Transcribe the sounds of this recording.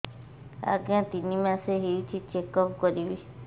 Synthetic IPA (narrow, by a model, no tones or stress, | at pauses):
a̰keãt̪inĩmãseɦewit͡ʃʰit͡ʃekɔpkɔɾiβi